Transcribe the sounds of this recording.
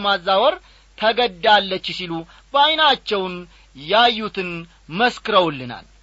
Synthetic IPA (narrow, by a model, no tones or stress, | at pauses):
mazːawɔɾ | t̪ʰəɡəd̪ːalːət͡ʃːsilu | bajnat͡ʃːɛwn | jajːut̪ʰɨn | məskɨɾəwlːɨna̰l